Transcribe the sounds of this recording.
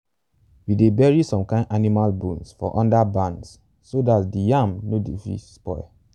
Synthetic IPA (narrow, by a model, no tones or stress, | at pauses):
widebɛɹisɔ̃mkãɪ̃ndanimalbũnsfɔ̰ʔɔ̃ndabãnds | sodatdijãmnodefḭspɔ̰ɪ